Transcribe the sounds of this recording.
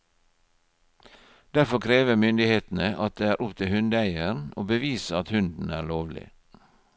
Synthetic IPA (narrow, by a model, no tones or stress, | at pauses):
d̪̥æɾfɔkʰɾeːʋəmʏnd̪ɪheːt̪n̩əʔɑt̪̚d̪eːæːɾʔʊpt̪ʰɪhʉnd̪æɪəɳo̰ːbəʋiːsəɑt̪hʉnd̪n̩æːloːʋlɪ̰